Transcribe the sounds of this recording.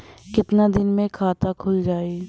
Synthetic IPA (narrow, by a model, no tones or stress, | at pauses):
kɪt̪nad̪ɪnmẽkʰaːt̪akʰʊld͡ʒaːe